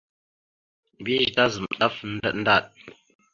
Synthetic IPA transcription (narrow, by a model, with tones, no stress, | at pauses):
bi˦ʒda˦zə˨mɗa˦fn̩˦də˦ɗn˦da˦˨ɗ̚